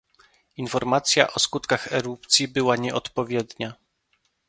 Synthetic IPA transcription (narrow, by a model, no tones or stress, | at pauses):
infɔɾmat̪sʲja̰ʔɔskut̪kaxɛɾupt̪sʲjibɘwaɲɛʔɔt̪pɔvʲjɛd̪ɲa